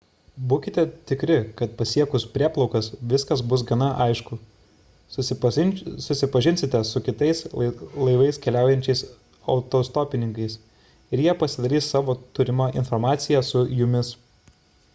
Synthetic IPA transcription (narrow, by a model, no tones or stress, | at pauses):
buːkʲɪt̪ʲɛt̪ʲɪkɾʲɪkɐt̪̚pɐsʲiɛkʊspʲɾʲiɛplˠɒʊkɐsʋʲɪskɐsbʊs̬ɡɐnɐʔɐɪʃkʊ | sʊsʲɪpɐʒʲɪnʲsʲɪt̪ʲɛsʊkʲɪt̪ɐɪslˠɐɪʋɐɪskʲɛlʲæˑʊjɛnʲt͡ʃʲɛɪs | ɐʊt̪oːst̪oːpʲɪnʲɪŋkɐɪs | ɪɾjiɛpɐsʲɪd̪ɐɾʲiːssɑːʋoːt̪ʊɾʲɪmɐʔɪ̰nfoːɾmɑːt̪sʲɪjɛsʊjʊmʲɪs